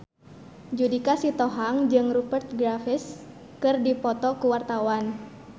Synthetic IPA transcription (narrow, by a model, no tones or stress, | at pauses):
d͡ʒudikasit̪ɔɦaŋd͡ʒɨŋrupərt̪̚ɡɾafɪs | kɨrdipɔt̪ɔkuwart̪awan